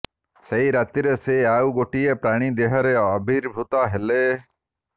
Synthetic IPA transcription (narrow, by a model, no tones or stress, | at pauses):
seɦiɾat̪iɾeseawɡoʈiepɾaɽ̃id̪eɦɔɾeɔbʱiɾbʱut̪ɔɦele